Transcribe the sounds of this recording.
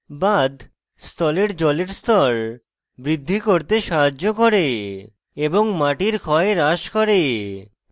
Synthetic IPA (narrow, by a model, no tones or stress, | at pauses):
bad̪ʱ | st̪ɔleɾd͡ʑɔleɾst̪ɔɾ | bɾid̪ʱːikoɾt̪eʃaɦad͡ʑːokoɾe | eboŋmaʈiɾkʰɔeɾaʃkɔɾe